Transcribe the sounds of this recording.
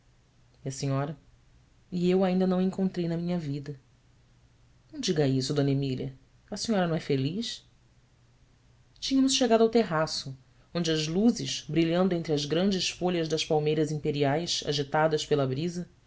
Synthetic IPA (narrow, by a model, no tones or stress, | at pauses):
iɐsĩɲɔɾɐ | ɪewaĩnd̪ɐnɐ̃w̃ẽkõnt̪ɾejnɐmĩɲɐvid̪ɐ | nɐ̃w̃d͡ʒiɡɐisʊd̪õnɐemiliɐ̰ | ɐsĩɲɔɾɐnɐ̃w̃ɛfelis | t͡ʃĩɲɐmʊsʃeɡad̪ʊawt̪eɦasʊ | õd͡ʒɪɐzluzɪʃbɾiʎɐ̃nd̪ʊẽnt̪ɾɪɐzɡɾɐ̃nd͡ʒɪsfoʎɐzd̪ɐspawmejɾɐzĩpeɾiajsa̰ʒit̪ad̪ɐspelɐbɾizɐ